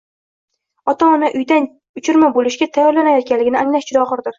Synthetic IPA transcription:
ɒt̪ʰaɒnaʔʊjd̪an | ʊt͡ʃʰʊɾmabolɪʃɡʲat̪ʰajɒɾlanajɒt̪̚kʲanlːɪɡʲɪnɪaŋlaʃt͡ʃʰɪd̪ɒχɨɾd̪ɪɾ

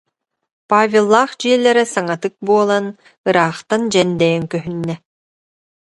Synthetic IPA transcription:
paːvʲelˠːaːχd͡ʑiɛlʲːɛɾɛsaŋat̪ɯk̚buɔlˠan | ɯɾaːχt̪and͡ʑɛnd̪ɛjɛŋkœɦynːɛ

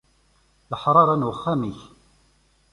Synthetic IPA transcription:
ləħɾˤɑɾˤænwəχːæmiç

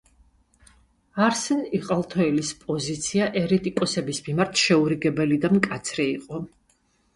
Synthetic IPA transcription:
aɾsɛniqʼalˠt̪ʰɔɛlispʼɔzit̪sʰiaʔɛɾɛt̪ʼikʼɔsɛbismimaɾt̪ʰʃɛuɾiɡɛbɛlid̪amkʼat̪sʰɾɛiqʼɔ

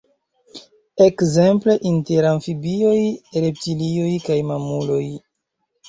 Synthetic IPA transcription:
e̞kze̞mple̞ʔinteɾaɱfibio̞jɾe̞p̚tilio̞jkajmamulo̞j

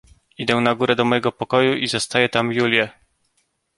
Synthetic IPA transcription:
id̪ɛ̃naɡuɾɛd̪ɔmɔjɛɡɔpɔkɔjuʔizɔst̪ajɛt̪amjulʲjɛ

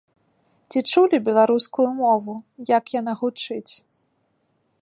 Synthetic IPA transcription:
t͡sʲit͡ʂulʲibʲɛlˠaɾuskujumɔvujɐkjan̪aɣut͡ʂɨt͡sʲ

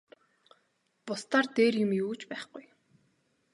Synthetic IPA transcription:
pʊst̪aːrt̪eːrjʊ̆mjuːt͡ɕpæːχɡuj

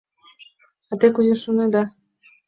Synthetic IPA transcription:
ɑt̪ekuzʲeʃuned̪ɑ

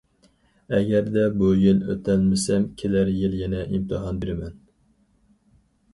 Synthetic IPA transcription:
ɛɡʲæɾd̪ɛbujɪlø̰t̪ʰælmɪsɛmkʲʰelæɾjɪljɛnɛʔimt̪ʰɨɦɑnbeɾɪmɛn

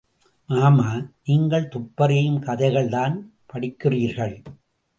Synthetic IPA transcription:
maːmaːniːŋɡɐɭt̪ʊpːɐɾɐjɯmkɐðɐɪɣɐɭt̪aːn | pɐɽɪkːɪriːɾɣɐɭ

